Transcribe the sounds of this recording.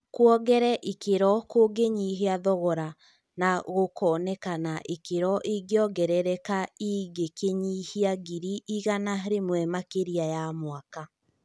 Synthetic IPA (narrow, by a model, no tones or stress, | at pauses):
kwɔɡɛɾɛʔikeɾɔkoɡeɲiɦeaðɔɣɔɾa | naɣokʰɔːnɛkanaʔikeɾɔʔiɡeɔɡɛɾɛɾɛkaiɡekeɲihiaɡiɾiʔiɣanaɾemwɛmakeɾiajamwaka